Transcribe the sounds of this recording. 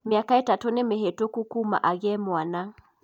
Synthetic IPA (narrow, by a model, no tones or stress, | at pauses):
miakaitatunemeɦetokukuma̰ʔaɣɛmwana